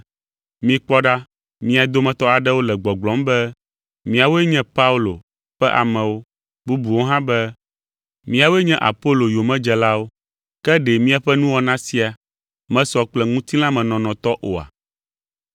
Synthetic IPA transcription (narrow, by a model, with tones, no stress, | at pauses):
mĩ˨k͡pɔ˦ɖa˦ | mĩ˦a˨d̪o˦mɛ̃˨t̪ɔ˦a˨ɖɛ˦wo˦lɛ˨ɡ͡bɔ˨ɡ͡blɔ̃˨˦mbɛ˦ | mĩ˦a˨wo˦e˦ɲɛ̃˦pa˦u˦lo˨ | ɸɛ˦ʔa̰˨mɛ̃˨wo˦ | bu˦bu˨wo˦ɦã˦bɛ˦ | mĩ˦a˨wo˦e˦ɲɛ̃˦ʔa̰˨po˦lo˨jo˨mɛ̃˦d͡ʒɛ˨la˦wo˦ | kɛ˦ɖe˨mĩ˦a˨ɸɛ˦nũ˦wɔ˦nã˦si˦a˨ | mɛ̃˦sɔ˦k͡plɛ˦ŋũ˦t̪i˦lã˦mɛ̃˨nɔ̃˨nɔ̃˨t̪ɔ˦ʔo̰˨a̰˨